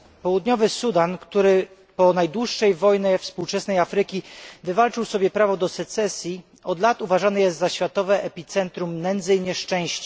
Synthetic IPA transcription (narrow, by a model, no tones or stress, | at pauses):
pɔwud̪ɲɔvɘsud̪ankt̪uɾɘ | pɔnajd̪wuʂːɛjvɔjnɛfspuwt͡ʂɛsnɛjafɾɘkʲivɘvalt͡ʂɘwsɔbʲjɛpɾavɔd̪ɔsɛt̪sɛsʲji | ɔd̪lat̪uvaʐanɘjɛst̪zaɕfʲjat̪ɔvɛʔɛpʲit̪sɛnt̪ɾumnɛnd̪zɘjɲɛʂt͡ʂɛ̃w̃ɕt͡ɕa